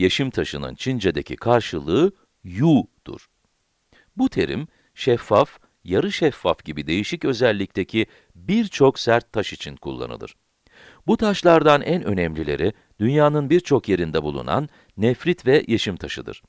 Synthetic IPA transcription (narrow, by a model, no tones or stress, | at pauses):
jeʃimt̪ʰaʃɯnɯ̰nt͡ʃʰind͡ʒed̪ecʰḭkʰaɾʃɯlˠɯː | jud̪̥ṵɾ̥ | but̪ʰe̞̰ɾḭm | ʃɛfːaf | jaɾɯʃɛfːafɟibid̪e̞jiʃicø̞zɛlʲːic̚t̪ʰe̞cʰi | biɾt͡ʃʰo̞ksæɾt̪ʰːaʃit͡ʃʰinkʰṵlˠːa̰nɯlˠɯ̰ɾ̥ | but̪ʰaʃlˠaɾd̪anʔænø̞̰nɛmlʲilʲe̞̰ɾi | d̪̥ynjaːnɯnbiɾt͡ʃʰo̞kje̞ɾind̪ɛbulˠṵna̰nː | ɛfɾit̪vɛjʔeʃimt̪ʰaʃɯd̪ɯ̰ɾ̥